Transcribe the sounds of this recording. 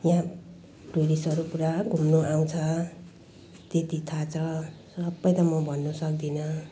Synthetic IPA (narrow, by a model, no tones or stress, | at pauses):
jã | ʈoɾisʌɾupuɾaɡʱumnoʔaw̃t͡sʰʌ | t̪et̪it̪ʰat͡sʰʌsʌbːʌjt̪ʌmʌbʱʌnːusʌk̚d̪inʌ